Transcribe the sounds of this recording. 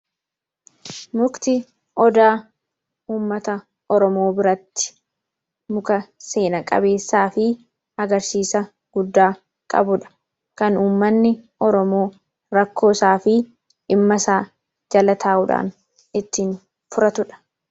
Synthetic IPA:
mʊkt̪ɪ | ʔɔd̪aː | uːmːɐt̪ɐ | ʔɔɾɔmo̞ːbɪɾɐt̪ːɪ̥ | mʊkɐse̞ːnɐkʼɐ̰be̞ːsːaːfɪ | ɐɡɐɾsiːsɐ | ɡ̥ʊd̪ːaː | kʼɐ̰bʊᶑɐ̥ | kɐnuːmːɐnːɪʔɔɾɔmo̞ː | ɾɐkʰːo̞ːsaːfɪ | ʔɪmːɐsaː | d͡ʒɐlɐt̪ʰaːʔʊᶑa̰ːn | ɪt̪ːiːn | fʊɾɐt̪ʊᶑɐ̥

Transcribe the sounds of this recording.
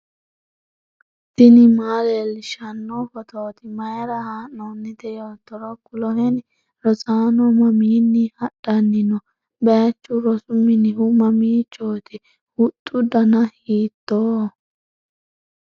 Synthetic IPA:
t̪ɪnɪmaːlɛlʃɐnːɔfɔt̪oːt̪ɪmɐjɾɐhaːnːonːɪd̪ɛjoːt̪ːɔɾɔkʊlɔhɛn | ɾɔsaːnɔmɐmiːnːɪhɐɗɐnːɪnɔ | bɛɐt͡ʃːʊɾɔsʊmːɪnɪʔʊmɐmiːt͡ʃːoːt̪ɪ | hʊt̪ʼːʊd̪ɐnɐhiːt̪ːoː

